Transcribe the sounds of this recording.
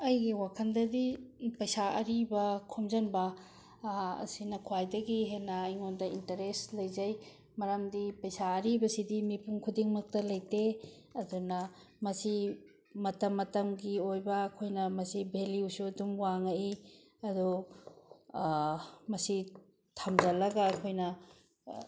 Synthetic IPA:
ɐjɡiwakʰɐndɐdipɐjsaʔɐɾibɐkʰomzɐnbɐ | ɐ̰sinɐkʰuajdɐɡiɦenɐːjŋondɐintɐɾeslɐjzɐj | mɐɾamdipɐjsaɐɾibɐsidimipuŋkʰudiŋmɐk̚tɐlɐjte | ɐdunɐ | mɐsi | mɐtɐmːɐtɐmɡiojbɐːkʰojnɐmɐsibʱeliwsudumwaŋɐi | ɐdu | mɐsi | tʰamzɐlɐɡaːkʰojnɐ

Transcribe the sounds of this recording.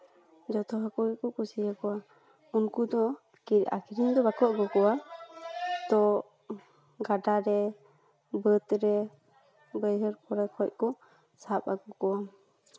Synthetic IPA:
d͡ʒɔt̪ɔɦakuʔkɔkusijakɔwa | unkud̪ɔ | kiɾa̰kʰiɾiɲd̪ɔbakɔʔ̚ɡɔkɔwa | t̪ɔ | ɡaɖaɾɛ | bət̪ɾɛ | bəjɾəɾkɔɾɛkʰɔc̚kɔ | sapaɡɔkɔwam

